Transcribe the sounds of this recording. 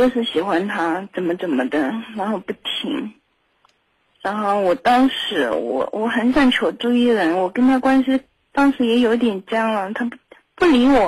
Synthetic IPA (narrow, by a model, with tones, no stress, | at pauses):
t͡ɕo˥˧ʊʂ̬ɻ̩˥˩ɕi˨˩xwa˥nt̪ʰa˥ʈ͡ʂə˨˩nmə˦ʈ͡ʂə˨˩nmə˦d̪ə˧˦ɻa˧˥nxo˥˧ʊpu˥˩t̪ʰḭ˧˥ŋ | ɻa˧˥nxo˥˩ʊwɔ˨˩t̪ɑ˥ŋʂɻ̩˧˥wɔ̰˨˩˦wʔɔ˧˥xə˧˥nsa˥˩nt͡ɕʰjo˨˧˩ʊʈ͡ʂu˥˧i˥˩ɻə˧˥nwɔ˨˩kə˥nt̪ʰa˥kwa˥nɕi˥ | t̪ɑ˥ŋʂɻ̩˧˥jɛ˧˥jo˧˥ʊt̪jɛ˨˩nt͡ɕjɑ˥ŋlə˨t̪ʰa˥ | pu˥˩li˧˥wɔ˨˩